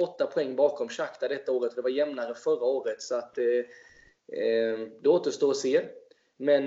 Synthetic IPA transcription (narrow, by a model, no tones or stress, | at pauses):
ɔt̪ːapʰɔɛŋːbɑːkɔmɕakt̪ad̪ɛt̪ːaoːɾət̪ɔd̪ɛvaɾjɛmnaɾəfœraoːɾət̪sɔat̪ː | d̪ɛoːt̪əʂt̪oːɔseː | mɛn